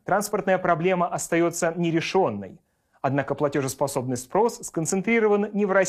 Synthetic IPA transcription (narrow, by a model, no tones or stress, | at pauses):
t̪ɾanspərt̪nəjəpɾɐblʲe̞məʔɐst̪ɐjo̞t̪sənʲɪɾʲɪʂo̞nːə̰j | ɐd̪nakəplˠɐtʲo̞ʐɨspɐso̞bnəjʲspɾo̞sːkənt̪sɨnt̪ɾʲiɾəvənnʲɪvrɐ